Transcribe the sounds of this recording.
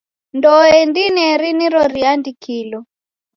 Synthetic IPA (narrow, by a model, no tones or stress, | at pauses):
ndɔɛndinɛɾiniɾɔɾiandikʰilɔ